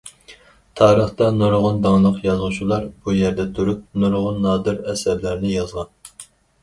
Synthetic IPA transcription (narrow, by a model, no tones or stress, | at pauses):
t̪ʰɑːɾəχt̪ɑnoɾʁʊnd̪ɑŋlˠəqjɑzʁʊʃt͡ʃʰulˠɑɾb̥ujɛɾd̪ɛt̪ʰuɾup̚noɾʁʊnːɑːd̪ɨɾɛsæɾlæɾnɪjɑzʁɑn